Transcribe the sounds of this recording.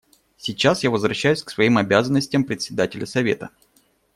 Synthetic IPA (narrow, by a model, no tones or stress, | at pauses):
sʲɪt͡ɕːasjavəzvɾɐɕːæjʉsʲksvɐimɐbʲazənːəsʲtʲjəmpɾʲɪt̪ʲsʲɪd̪atʲɪlʲəsɐvʲe̞̰t̪ə